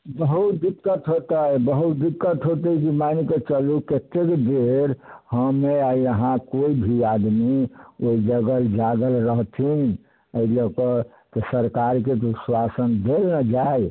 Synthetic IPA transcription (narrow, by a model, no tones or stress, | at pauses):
bəɦut̪d̪ikːət̪ɦot̪əbəɦut̪̚d̪ikːət̪ɦot̪əikimaniket͡ʃəluket̪ːekd̪eɾhəmeaiəɦãkoibʱiad̪mioid͡ʒəɡəld͡ʒaɡəlɾəɦt̪ʰin | əiləkɔ | t̪esəɾkaɾket̪oswasənd̪elnəd͡ʒae